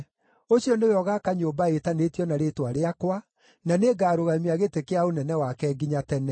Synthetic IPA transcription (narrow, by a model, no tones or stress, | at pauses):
oɕiɔnewɔɣakaɲoːmbaetanetjɔnaɾetwaɾeakwa | naneɡaːɾoɣaimiaɣetekeaonɛnɛwakɛɡiɲatɛnɛ